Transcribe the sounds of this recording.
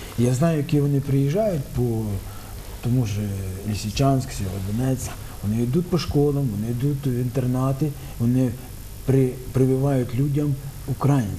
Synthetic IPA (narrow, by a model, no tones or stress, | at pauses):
ijaznɑjʊjɐkiʋɔnɪpɾɪjiʒːɑjʊtʲpɔ | t̪ɔmuʒɛlʲisʲit͡ʃɑnʲsʲksʲɔɦɔd̪ʋɔnɛt͡sʲːɐ̥ | ʋɔnɪid̪ut̪ʲpɔʃkɔlˠɐmʋɔnɪid̪ut̪ʲʋʲint̪ernɑt̪ɪ | ʋɔnɪ | pɾɪpɾɪbɪʋɑjʊtʲlʲudʲɐm | ʊkɾɑjinʲ